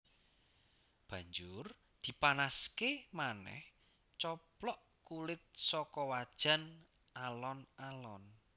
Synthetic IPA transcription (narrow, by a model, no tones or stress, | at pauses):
b̥ä̤ɲd͡ʒʊr | d̪̥i̤panaskemanɛ̰h | t͡ʃɔplɔʔ | kulɪt̪̚sɔkɔwad̥ʒ̥a̤n | alɔnalɔn